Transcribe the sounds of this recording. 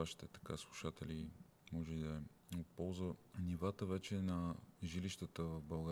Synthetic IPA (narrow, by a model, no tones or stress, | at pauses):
vaʃi̥t̪ɛt̪ɐ̥kaslˠuʃat̪ɛli | mɔʒɛd̪ɐɛ | ot̪̚pɔlˠzənivat̪əvɛt͡ʃɛnɐʒiliʃt̪ət̪əvɐfbɐlˠɡa